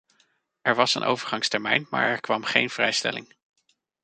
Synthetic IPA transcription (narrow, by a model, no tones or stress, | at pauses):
ʔɛɹʋɑsə̰nʔo̰wvəɹχɑŋstɛɹmɛjnma̰ːɹɛɹkʋɑmχejnv̥rɛjstɛ̰lɪŋ